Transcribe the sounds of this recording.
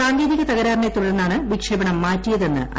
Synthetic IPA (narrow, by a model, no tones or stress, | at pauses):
aːŋɡe̞ːðiɣɐt̪ɐɣɐɾaːrnet̪uɽɐrnːaːɳɨʋikʂɐbɐɳɐmːaːtːijɐðe̞nːɨ̰ʔɐ̰